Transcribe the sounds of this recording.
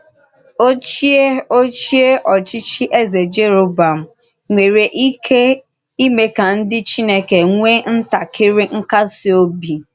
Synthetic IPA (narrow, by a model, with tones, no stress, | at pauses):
o˦t͡ʃi˦e˦o˦t͡ʃi˦e˦ʔɔ˨t͡ʃi˦t͡ʃi˦ʔe˦ze˨d͡ʒe˦ɾo˨ba˨m̩˨ | ŋʷe˨ɾe˨ʔi˦kʰe˦ | i˦me˦ka˨n̩˦dɪ˦t͡ʃi˦ne˦ke˨ŋʷe˦n̩˦ta˨kɪ˦ɾɪ˦ŋ̩˦ka˦sɪ˦o˦bi˨